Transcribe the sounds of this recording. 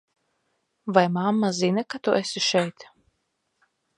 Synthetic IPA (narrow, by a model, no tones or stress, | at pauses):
vajmamːazinakat̪uʔesiʃɛjt̪